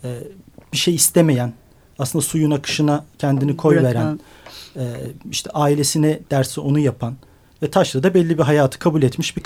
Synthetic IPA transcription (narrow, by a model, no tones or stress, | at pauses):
ɛːb̥iʃejist̪ʰeme̞jæn | aslɯnd̪asujunakʰɯ̥ʃɯnacʰɛnd̪inikʰo̞jveɾæn | ɛːiʃt̪ʰɛʔaːilʲe̞sinɛd̪̥æɾsio̞nujapʰan | vɛt̪ʰaʃlˠad̪abɛlʲːibiɦajaːt̪ʰɯ̥kʰabulʲɛt̪miʃbik